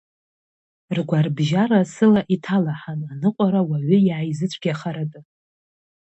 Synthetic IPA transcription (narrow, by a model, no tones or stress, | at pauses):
rɡʷarbʒaɾasɨlaʔitʰalaħananɨqʷʼaɾawaɥʏjʕajzɨt͡sʷʰʼkʰʲjaχaɾatʼɨ